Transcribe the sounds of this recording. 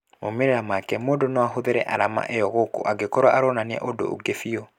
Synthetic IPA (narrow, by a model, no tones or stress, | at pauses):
momeɾɛɾamakɛmoːdonɔaɦoðeɾɛʔaɾama̰ʔejɔɣoko̰ʔaɡekɔɾwaʔaɾɔnaniɛ̰ʔodo̰o̰ɡefiɔ